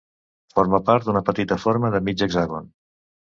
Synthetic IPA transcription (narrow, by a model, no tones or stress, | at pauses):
foɾməpaɾt̪̚d̪unəpət̪it̪əfoɾməðəmid͡ʒəɡzaɣon